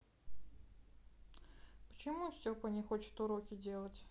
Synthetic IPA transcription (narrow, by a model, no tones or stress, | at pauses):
pə̥t͡ɕɪmufsʲɵpənʲɪxot͡ɕɪ̥t̪ʊɾokʲɪdʲe̞lˠətʲ